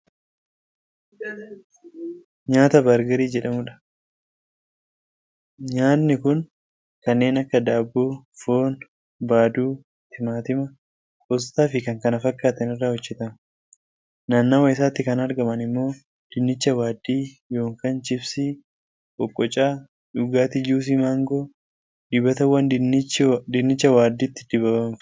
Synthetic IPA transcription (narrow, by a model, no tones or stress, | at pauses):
ɲaːt̪ɐbaɾɡɐɾiːd͡ʒɛᶑɐmʊᶑɐ̥ | ɲaːt̪nɪkʊn | kɐnːe̞ːnɐkːɐd̪aːbːuːfo̞ːn | baːd̪uː | t̪ɪmaːt̪ɪmɐ | kʼɔst̪aːfɪkɐŋkɐnɐfɐkʼːaːt̪ɐnɪrːaːhɔd͡ʒːɛt̪ɐm | nɐnːɐwɐɪs̬aːt̪ːɪkɐnɐɾɡɐmɐnɪmːo̞ː | d̪̥ɪnːɪt͡ʃːɐwaːd̪ːiː | jo̞ːŋkaːnt͡ʃɪbsɪ | ʔɔkʼːɔt͡ʃʼaː | ᶑʊɡaːt̪ɪd͡ʒuːs̬imaːŋɡoː | d̪ɪbɐt̪ɐwːɐn | d̪ɪnːɪt͡ʃːɐwaːd̪ːiːt̪ːɪ̥d̪̥ɪbɐbɐn